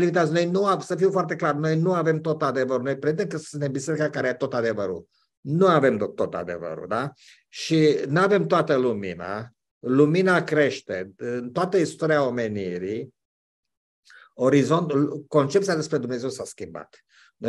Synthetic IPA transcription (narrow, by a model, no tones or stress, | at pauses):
limit̪asno̞jnuasəfiwfoart̪eklarno̞jnuave̞mt̪o̞t̪ad̪e̞vəɾuno̞jpɾed̪emkəsunt̪embise̞ɾikakaɾejat̪o̞t̪ad̪e̞vəɾṵ | nuave̞mt̪ːo̞t̪a̰d̪e̞̰və̰ɾṵd̪a | ʃinave̞mt̪oat̪əlumḭna̰ | luminakɾe̞ʃt̪eɨnt̪oat̪əist̪oɾiao̞me̞niɾi | o̞ɾizo̞nt̪ko̞nt͡ʃep̚t̪sijad̪espɾe̞d̪umne̞ze̞wsaskʲimba̰t̪ | no